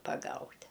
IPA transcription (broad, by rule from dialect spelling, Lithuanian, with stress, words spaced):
pɐˈɡɐʊtʲ